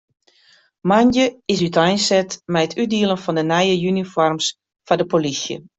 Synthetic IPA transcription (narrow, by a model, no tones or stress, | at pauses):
manjəɪsytɛjnsɛtmɛjətʰydiəlˠənfɔndənɛjəjynifɔrms | fadəpolisjə̰